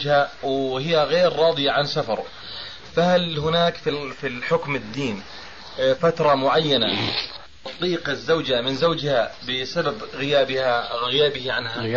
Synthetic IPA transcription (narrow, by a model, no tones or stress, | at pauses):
d͡ʒhawhɪjːaɣeːɾːɑːd̪ˤɨjaʕansafɑ̰ɾˤ | fahalhʊnaːkfifiħʊkmɪd̪ːiːn | fat̪ɾˤɑmʊʕajːana | ɑt̪ˤːiːqazːawd͡ʒamɪnzawd͡ʒhabɪsababɣɪjaːbɪhaɣɪjaːbɪhʕanha